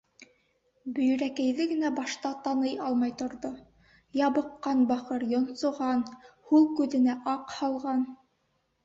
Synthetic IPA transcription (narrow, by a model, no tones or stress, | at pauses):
bɵ̆jɵ̆ɾækæjðɘɡɘ̆næbɑʃt̪ɑt̪ɑnɤjɑlˠmɑjt̪ŏɾðo | jɑβɤ̆qːɑnbɑqɤɾjŏnsŏʁɑnhulˠkʉðɘ̆næʔɑqhɑlˠʁɑn